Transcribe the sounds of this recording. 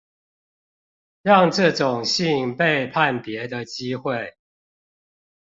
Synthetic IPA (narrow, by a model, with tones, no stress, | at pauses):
ɻɑ˥˨ŋʈ͡ʂɤ˥˨ʈ͡ʂʊ˨˩ŋɕi˥˨ŋpe˥˨ɪpʰa˥˨npjɛ˨˦d̪ə˨t͡ɕi˦xwe˥˨ɪ